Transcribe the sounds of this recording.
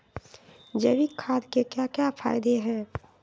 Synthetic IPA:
d͡ʒebikʰaːd̪kekjakjafʰa̰ːɪd̪eɦɛ̃

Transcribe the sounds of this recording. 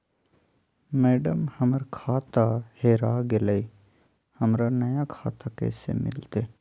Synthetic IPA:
mɛːɖəmhəməɾkʰaːt̪aheːɾaːɡeləi | həmɾanɐjakʰa̰ːt̪akḛːsḛmɪ̰lt̪e

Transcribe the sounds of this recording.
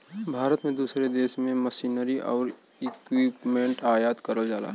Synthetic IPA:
bʱaːɾət̪mẽd̪uːsɾed̪eːsmẽməsiːnəɾiʔɔ̰ːɾ | ɪkwiːpmẽːɳʈaːjaːt̪kəɾəld͡ʒaːla̰ː

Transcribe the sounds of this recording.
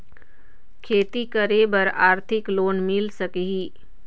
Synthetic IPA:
kʰeːt̪ikəɾebɐɾaːɾt̪ʰɪkloːnmɪlsɐkeɦiː

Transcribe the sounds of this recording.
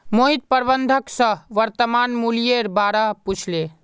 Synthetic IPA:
moɦit̪̚pəɾbənd̪ʱəksə̃ɦʋəɾt̪əmanmulijeɾbaɾaput͡ʃʰle

